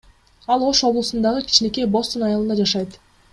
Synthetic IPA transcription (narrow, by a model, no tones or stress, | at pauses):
ɑlˠo̞ʃo̞blˠusund̪ɑʁəkʲʰi̥t͡ʃne̞ke̞bo̞st̪onɑjɑlˠɯnd̪ɑd͡ʒɑʃɑjt̪